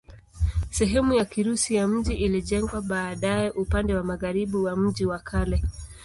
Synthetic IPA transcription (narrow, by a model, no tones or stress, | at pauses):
sɛɦɛmujakiɾusijam̩ʄiʔiliʄɛŋɡwaɓaːɗajɛʔupandɛwamaɣaɾiɓuwam̩ʄiwakʰalɛ